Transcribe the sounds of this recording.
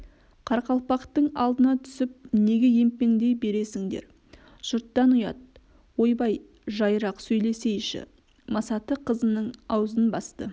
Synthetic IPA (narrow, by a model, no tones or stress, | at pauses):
qʰɑɾqɑlˠpɑqt̪əɴɑ̰lˠd̪ənɑt̪ʰʏ̥sɪp̚ne̞ɡʲe̞je̞mpe̞ŋd̪e̞jbe̞ɾe̞sɪŋd̪e̞̰ɾ | ʒ̥ʊɾt̪ːɑnʊjɑ̰t̪̚ | wo̞jbɑj | ʒɑjɾɑqsɵjle̞se̞jʃɪ̰ | mɑsɑt̪əqʰəzənəɴɑwzənbɑst̪ə